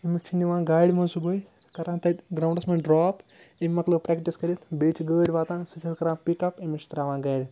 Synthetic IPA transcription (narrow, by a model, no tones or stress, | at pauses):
imikt͡ʃʰiniʋãːnɡaːjɽʲimɐnsubəːj | kɐɾaːnt̪ɐt̪ɡɾaːwɳɖɐsmɐnɖɾaːp | imʲmɐklɐbpɾɛkʈiskɐɾʲit̪beːt͡ʃʰɡəːɽʲʋaːt̪ãːnsɨt͡ʃʰɐlkɐɾãːnpikɐpimit͡ʃʰi̥t̪ɾaːʋãːnɡaːjɽʲi